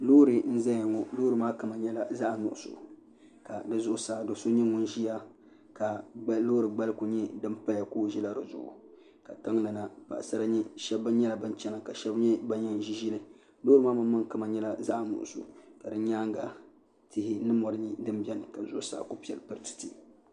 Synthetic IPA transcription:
loː˦ɾɨ˨n̩˦za˦ja˨ŋɔ˨loː˦ɾɨ˨maː˦ka˨ma˨ɲɛ˦la˦za˦ʔnʊ̰˨ʔʊ˨so̰˨ | ka˨dɨ˨zʊ˦ʔsaː˨do˨so˦ɲɛ˦ŋʊ˦n˦ʒi˦ja˦ | ka˨˦loː˦ɾɨ˨ɡ͡ba˦lɨ˦ku˨ɲɛ˦dɨ˦mpa˦ja˨koː˦˨ʒi˦la˦dɨ˨zʊ̰˨ʔʊ̰˨ | ka˨ta˦ŋ˦la˨na˦pa̰˨ʔsa˦ɾa˦ɲɛ˦ʃɛ˦bːa˦ɲɛ˦la˨bɨ˦nt͡ʃɛ˦na˨ka˨ʃɛ˦bɲɛ˦ba˦ɲɛ˦n˨ʒi˦ʒi˦lɨ˨ | loː˦ɾɨ˦maː˦ma˨˦ma˦ŋka˨ma˨ɲɛ˦la˦za˦ʔnʊ̰˨ʔʊ̰˨so̰˨ka˨dɨ˦ɲaː˦ŋ˦ɡa̰˨ | tɪ˦hɪ˦nɨ˦mɔ˨ɾɨ˦ɲi˦dɨ˦mbɛ˦nɨ˨ka˨zʊ˦ʔʊ˦sa̰ː˦˨ko˦pi˨ɛ̰˨lpɨ˦ɾtɨ̥˨ti˨

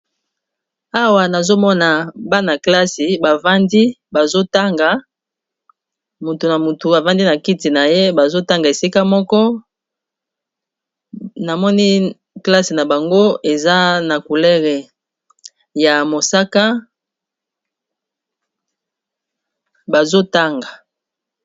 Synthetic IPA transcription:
a˦wa˨na˨zo˦mɔ˦na˨ba˦na˨kla˦si˨ba˨va˦ndi˦ba˨zo˦ta˦ŋɡa˨ | mu˨tu˨na˨mu˨tu˨a˨va˦ndi˦na˨ki˦ti˨na˨je˦ba˨zo˦ta˦ŋɡa˨e˨si˦ka˦mɔ˦kɔ˦ | na˨mɔ˦ni˦ | kla˦si˨na˨ba˨ŋɡo˦ʔe˨za˦na˨ku˨lɛ˦ʁɛ˨ | ja˨mo˨sa˦ka˦ | ba˨zo˦ta˦ŋɡḁ˨

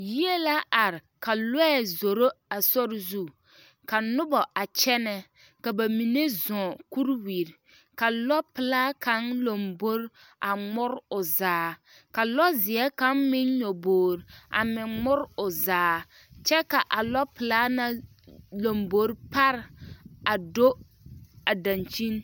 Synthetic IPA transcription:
ji˦e˦la˦a˨ɾɪ˨ka˨lɛ˦˨zo˨ɾo˦a˨sɔ˦ɾzu˦˨ | ka˨nʊ˦bɔ˨ʔa˨t͡ʃɛ˦nɛ˦ | ka˨ba˨mi˨ne˦zɔ̃˨ku˦ɾwi˨ɾ | ka˨lɔ˦pɪ˨laː˦ka˦nlo˨mbo˦ɾ | a˨ŋ͡mʊ˦ɾʊ˨zaː˨˦ | ka˨lɔ˦zɪ˨ɛ˦ka˨˦nmɪ˦nɲo˨boː˨ɾa̰˨mɪ˨ŋ͡mʊ˦ɾʊ˨zaː˨ | t͡ʃɛ˦ka˨ʔa˨lɔ˦pɪ˨laː˦na˦ | lo˨mbo˨˦ɾpa˦ɾɪ˨a˨do˦ | a˨dã˨nt͡ʃi˦n

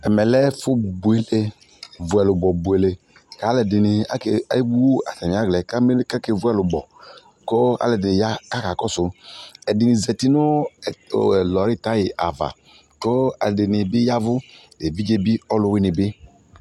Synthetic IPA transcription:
ɛ˨mɛ˨lɛ˦fʊ˦˨bu˨e˦le˦ | vʊ˨ɛ˨lʊ˨bɔ˨bu˨e˨le˨ | ka˨˦lɛ˨dɪ˨nɪ˨a˦ka˦i˦bu˦wo˦a̰˨tɛ˨mi˨a˦ɡlɛ˨ka˦m˦ka˦ke˨vʊ˦ɛ˨lʊ˨ɡ͡bɔ˨ | ko˦a̰˦lɛ˨dɪ˨ja˦ka˦ka˨kɔ˦sʊ˨ɛ˨dɪ˨nɪ˨zɛ˨ti˦nʊ˦˨ | lɔ˨ɾɪ˦˨ta˦jɪ˨ʔa̰˨va̰˨ | ko˦a̰˨lɛ˨dɪ˨nɪ˨bɪ˦ja˦vʊ˦ | e˨bi˦d͡ʒe˦bi˦ɔ˦lʊ˦wɪ˦nɪ˨bɪ˦

